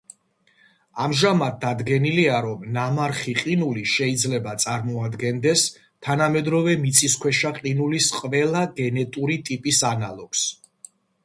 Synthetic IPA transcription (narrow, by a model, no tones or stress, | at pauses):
amʒamad̪̚d̪ad̪ɡɛniliaɾɔmnamaɾχiqʼinuliʃɛid̪zlɛbat̪sʼaɾmɔad̪ɡɛnd̪ɛs | t̪ʰanamɛd̪ɾɔvɛmit̪sʰʼiskʰwɛʃaqʼinulisqʼvɛlˠaɡɛnɛt̪ʼuɾit̪ʼipʼisanalˠɔɡ̥s